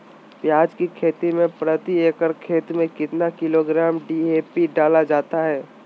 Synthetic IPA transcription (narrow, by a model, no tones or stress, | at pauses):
pjaːd͡ʒkikʰeːt̪imẽpɾət̪ieːkəɾkʰeːt̪mẽkɪt̪nakɪloɡɾaːmɖiːeːpiɖaːlad͡ʒaːt̪aɦɛː